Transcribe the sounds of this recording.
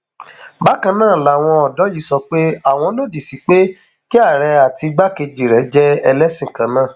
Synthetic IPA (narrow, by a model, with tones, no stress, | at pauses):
ba˦kã˧nãː˦˨la˨w̃ɔ̃˧ɔ˨dɔ˨˦ji˨˦sɔ˧k͡pe˦a˦˨w̃ɔ̃˧lo˦˨di˨si˨˦k͡pe˦ | ki˦a˦˨ɾɛ˧a˨tʰi˧ɡ͡ba˦ke˧d͡ʒi˨ɾɛ˨˦d͡ʒɛ˦ɛ˧lɛ˦sĩ˦˨kã˨˦nãː˦˨